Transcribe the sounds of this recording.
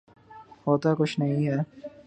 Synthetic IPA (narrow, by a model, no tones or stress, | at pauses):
ɦoːt̪akʊt͡ʃʰnɐɦĩɦɛː